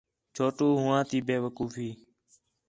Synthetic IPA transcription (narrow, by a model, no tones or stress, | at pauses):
t͡ʃʰoːʈoːɦʊʋãːt̪iːbeːʋəkuːfiː